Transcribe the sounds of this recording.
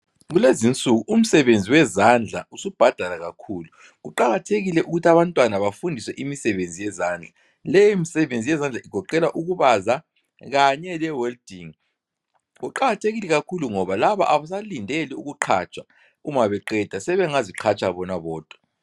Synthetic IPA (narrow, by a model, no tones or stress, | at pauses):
ɣulezint͡sʼuɣuʔum̩sɛβend͡zʱiwɛzand͡ɮʱausub̥ʱad̥ʱalaɣakʰuːlu | ɣuǃaɣatʰeɣilɛʔuɣutʰaβantʼwanaβafundʱiswɛʔimisɛβend͡zʱijɛzaːnd͡ɮʱa | lɛjɔimisɛβend͡zʱijɛzand͡ɮʱaiɡ̥ʱɔǃɛlaʔuɣuβaza | ɣaɲɛlɛwɛldiŋ | ɣuǃaɣatʰeɣilɛɣakʰuluŋɔβalaβa̰ʔaβas̬alindʱeliuɣuǃʰa̰t͡ʃʼa | uŋaβɛǃɛd̥ʱasɛβɛŋaziǃʰat͡ʃʰʼaβɔnaβɔːd̥ʱwa